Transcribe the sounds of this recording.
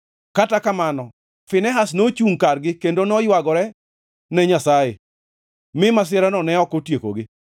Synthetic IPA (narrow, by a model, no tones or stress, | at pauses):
katakamanɔ | fɪnɛɦasnot͡ʃuŋkarɡɪkendonɔjwaɡɔɾɛ | nɛɲasajḛ | mɪmas̬ɪɛɾanɔnɛɔkotjeko̰ɡɪ